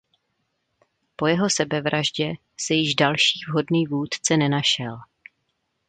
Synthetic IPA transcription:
po̞jɛɦo̞sɛbɛvɾaʒɟɛ | sɛjɪʒdalʃiːvɦo̞dniːvuːt̪t͡sɛnɛnaʃɛl

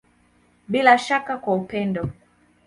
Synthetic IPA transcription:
ɓilaʃakakwaupɛndɔ

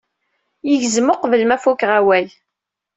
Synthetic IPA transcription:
jiʝzmoqvəlmæfukʁawæl

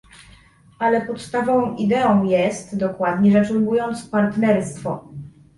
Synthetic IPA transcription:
alɛpɔt̪st̪avɔ̃w̃id̪ɛɔ̃w̃jɛst̪d̪ɔkwad̪ɲɛʐasuŋbujɔnt̪spaɾt̪nɛɾst̪fɔ

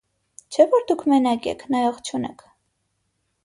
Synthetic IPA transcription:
t͡ʃʰɛvɔɾd̪ukʰmɛnɑkʲɛ̰kʰnɑjɔχt͡ʃʰunɛ̰kʰ

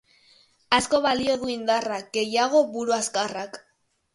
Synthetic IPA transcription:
asko̞βalio̞ðuind̪arak̚ɡe̞jaɣ̞o̞βuɾuaskarak

